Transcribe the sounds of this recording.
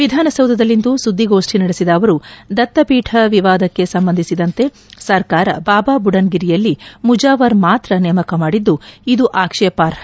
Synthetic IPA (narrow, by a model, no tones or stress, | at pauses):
ʋid̪ʱaːnɐsɐwd̪ʱɐd̪ɐlːind̪usud̪ʱːiɡo̞ːʂʈʰinɐɽesid̪ɐːʋɐɾud̪ɐt̪ːɐpiːʈʰɐʋiʋaːd̪ɐkːe̞sɐmbɐnd̪ʱisid̪ɐnt̪e̞ | sɐɾkaːɾɐ̰baːbaːbuɽɐnɡiɾijɐlːimud͡ʒaːʋɐɾmaːt̪ɾɐnɛːmɐkɐmaːɽid̪ːuid̪uʔaːkʂɛɐpaːɾɐ